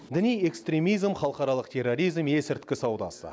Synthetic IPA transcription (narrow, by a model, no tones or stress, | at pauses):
d̪ɪnije̞kst̪ɾʲe̞mijzmχɑlˠəqɑɾɑlˠəqt̪ʰe̞rːo̞ɾʲijzmje̞sɪɾt̪kʲɪsɑwd̪ɑ̰sə̰